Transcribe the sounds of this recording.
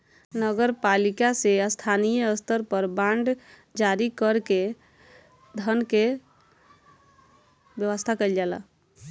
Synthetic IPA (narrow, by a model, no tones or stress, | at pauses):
nəɡəɾpalikasest̪ʰanijəəst̪əɾpəɾbaɳɖ | d͡ʒaɾikəɾke | d̪ʱənke | bjəwəst̪ʰakəɪld͡ʒala̰